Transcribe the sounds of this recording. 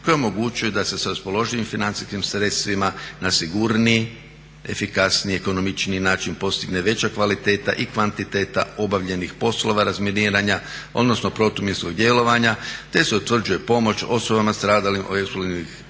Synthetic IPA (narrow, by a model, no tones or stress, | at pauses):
kojeo̞mo̞ɡut͡ʃujed̪ase̞saɾaspo̞lo̞ʒilimfinant̪si̥skimsɾe̞t̪st̪ʋimanasiɡuɾni | e̞̰fikasnieko̞nomit͡ʃniinaːt͡ʃinpo̞st̪iɡne̞ʋe̞t͡ɕakʋalit̪e̞ːt̪a̰ʔikʋant̪it̪e̞ːt̪a̰o̞baʋʎe̞nixpo̞slo̞ʋaɾazminiːɾaɲao̞̰d̪no̞sno̞pɾo̞t̪umjinsko̞ɡd̪je̞lo̞ʋaɲat̪e̞se̞ut̪ʋr̩d͡ʒuje̞po̞mo̞t͡ʃo̞so̞bamast̪ɾaːd̪alimʔoeksplonnix